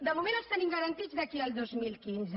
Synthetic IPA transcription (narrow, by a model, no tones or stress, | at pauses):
d̪əmumenəst̪aniŋɡəɾənt̪id͡zd̪əkiəlˠd̪ozmilˠkinzə